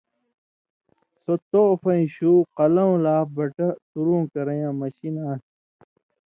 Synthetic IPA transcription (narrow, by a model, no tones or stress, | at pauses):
sot̪oːfɐĩɕuːqɐlɐõlaːbɐʈɐt̪uɾũːkɐɾɐjãːmɐɕinaː